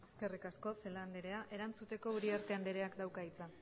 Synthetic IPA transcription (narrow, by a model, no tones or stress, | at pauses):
eske̞rikasko̞se̞land̪eɾe̞aʔe̞ɾant͡sut̪e̞ko̞uɾiaɾt̪e̞and̪eɾe̞akd̪awkait͡sa